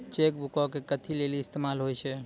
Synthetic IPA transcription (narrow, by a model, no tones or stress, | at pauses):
t͡ʃek̚bukɔkekət̪ʰileliɪst̪emalɦojt͡ʃʰɛ